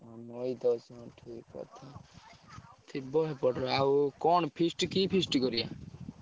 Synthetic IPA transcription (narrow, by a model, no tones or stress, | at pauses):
ɔmɔjd̪ɔsɔ̃ʈʰikɔ̰t̪ʰa | t̪ʰibɔɦepɔʈʰɔawkɔnpʰisʈkipʰisʈɡɔɾija